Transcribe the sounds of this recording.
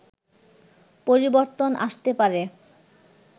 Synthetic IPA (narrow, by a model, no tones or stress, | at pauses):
poɾiboɾt̪onʔaʃt̪epaɾe